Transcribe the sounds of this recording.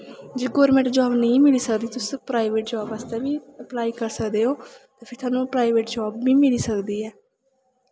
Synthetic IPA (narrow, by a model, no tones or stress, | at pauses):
d͡ʒeːɡɔːɾmẽɳʈd͡ʒaːbnəĩːmɪliːsəkd̪iːt̪ʊspɾaːiʋeːʈd͡ʒaːbaːst̪ɛːbiːəplaːiːkəɾsəkd̪eːɦoːt̪ẽːpʰɪɾt̪ʰwaːnũːpɾaːiʋeːʈd͡ʒaːbːiːmɪliːsəkd̪iːɛː